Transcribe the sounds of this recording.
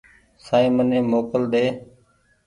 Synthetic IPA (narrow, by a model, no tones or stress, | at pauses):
saːĩːmənẽːmoːkəld̪eː